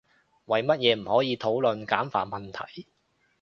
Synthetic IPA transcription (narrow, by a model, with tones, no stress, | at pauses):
wɐ˨jmɐ˥t̚jɛː˨˧m̩˨˩hɔː˨˥jiː˨˧t̪ʰo˨˥wlɵ˨nkaː˨˥mfaː˧t̚mɐ˨nt̪ʰɐ̰˨˩j